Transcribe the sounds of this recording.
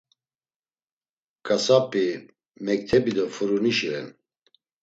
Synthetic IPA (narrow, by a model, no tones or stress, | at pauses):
kʰʼasapʼi | mɛkt̪ʰɛbid̪ɔfuɾuniʃiɾɛn